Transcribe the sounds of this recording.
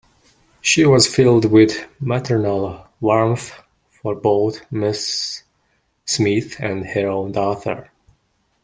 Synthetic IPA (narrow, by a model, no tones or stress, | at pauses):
ʃiwʌz̥fɪlˠdwɪðmatʰə˞nəlˠwɔɹmθ | fɔɹboʊθmɪs | mɪθɨ̃ndhə˞õʊ̃ndɔθə̰˞